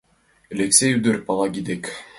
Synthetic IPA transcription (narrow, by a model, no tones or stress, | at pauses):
elʲeksʲejyd̪ɘɾpɑlˠɑɡʲid̪ek